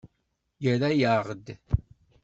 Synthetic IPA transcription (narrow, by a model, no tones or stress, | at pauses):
jəɾæjaʁəd̪